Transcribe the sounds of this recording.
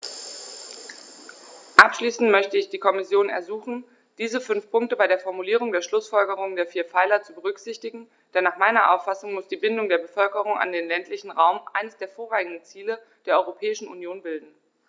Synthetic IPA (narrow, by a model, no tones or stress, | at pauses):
ʔapʃliːsn̩tmœçtəɪçd̥iːkʰɔmɪsjoːnɛ̰ɐzuːχn̩ | d̥iːzəfʏnfpʊŋk̚təbaɪɾeːɐfɔɐmuliːʁ̞ʊŋdeːɐʃlʊsfɔlɡəʁ̞ʊŋndeːɐfiːɐfaɪlɐt͡subəʁ̞ʏkz̥ɪçtɪɡŋ̩ | d̥ɛnːaːχmaɪnɐʔa̰ʊfasʊŋmʊsd̥iːbɪndʊŋdeːɐbəfœlkəʁ̞ʊŋa̰ndeːnlɛntlɪçn̩ʁaʊmʔa̰ɪnəsd̥eːɐfoːɐʁaːŋɡŋdn̩t͡siːlə | d̥eːɐɔʏʁopʰɛːɪʃn̩ṵnjoːnbɪldn̩